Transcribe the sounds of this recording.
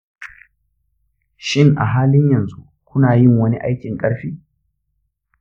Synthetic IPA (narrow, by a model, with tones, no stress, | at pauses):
ʃɪ˦˨ŋʔa̰˨ɦaː˦lɪ˦ɲjɐ˨nzu˦ | kʷʊ˦naː˨jɪ˦˨ŋwɐ˦ni˦ʔa̰˦jkʲɪ˨ŋkʼɐ˦ɽɸiː˦